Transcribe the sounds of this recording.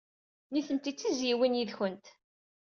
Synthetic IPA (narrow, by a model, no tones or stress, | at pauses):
niθənt̪it͡sːizjiwinjiðçənt̪